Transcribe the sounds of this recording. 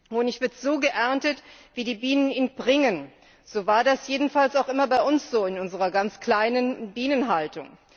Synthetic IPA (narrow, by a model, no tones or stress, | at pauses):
ʊnɪçv̥ɪɐtz̥oːɡəʔɛɐntətv̥iːdiːbiːnəniːnbʁɪŋən | z̥oːvaːɐdasjeːdn̩falsaʊxʔɪmɐbaɪʊnsz̥oːɪnʔʊnzəʁ̞ɐɡant͡skl̥aɪnənbiːnənɦaltʊŋ